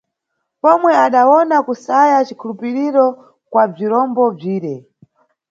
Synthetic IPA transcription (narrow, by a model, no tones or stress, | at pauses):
pɔmwɛaɗawɔnakusajat͡ʃikʰulupiɾiɾɔ | kwab͡ʐiɾɔmbɔb͡ʐiːɾɛ